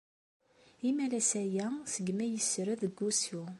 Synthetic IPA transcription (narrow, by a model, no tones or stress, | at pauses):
imælæsæjæsəɡmæjəsɾəðəɡːusu